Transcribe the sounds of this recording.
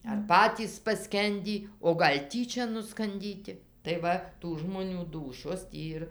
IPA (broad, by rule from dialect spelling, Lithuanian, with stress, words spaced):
ɐr ˈpɑːtʲiːs pɐˈsʲkʲɛnʲdʲiː oː ˈɡɐlʲ ˈtʲiːt͡ʃʲɛ nʊskɐnʲˈdʲiːtʲɪ tɐɪ ˈʋɐ tuː ʒmoːˈnʲuː ˈduːʃʲoːs ˈtʲiː ɪr